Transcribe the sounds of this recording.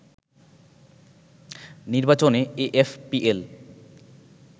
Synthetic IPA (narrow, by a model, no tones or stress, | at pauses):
niɾbat͡ɕoneeʔefpiʔel